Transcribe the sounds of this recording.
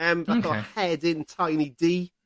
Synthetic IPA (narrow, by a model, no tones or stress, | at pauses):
əmvaðɔhɛdɪ̃ntʰajnidiː